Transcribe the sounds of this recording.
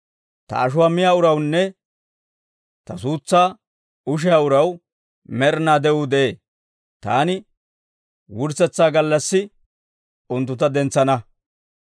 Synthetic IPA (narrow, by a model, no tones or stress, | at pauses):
t̪ɐ̰ːʃʊwaːmɪjaːʊɾɐwnːɛ | t̪ɐsuːt͡sːaː | ʊʃ̬ɪjaːʊɾɐw | mɛɾnaːd̪ɛʊd̪ɛʔeː | t̪a̰ːnɪ | wʊɾsɛt͡sːaːɡɐlːɐsːɪ | ʊnt̪ːʊt̪̬ɐd̪ɛnt͡sːɐnɐ